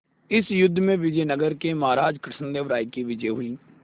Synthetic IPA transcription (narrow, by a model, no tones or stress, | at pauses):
ɪsjʊd̪ʱːmẽʋɪd͡ʒəjnəɡəɾkemaːɾaːd͡ʒkɾɪsʰənd̪eːʋɾaːikiʋɪd͡ʒeːɦʊiː